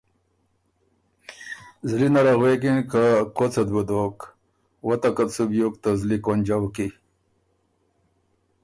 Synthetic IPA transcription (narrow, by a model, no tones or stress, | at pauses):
zlinaɾaɣwekinkakot͡sɐd̪̚bud̪ok | wɐt̪akat̪subjukt̪azlikwonʲd͡ʑawki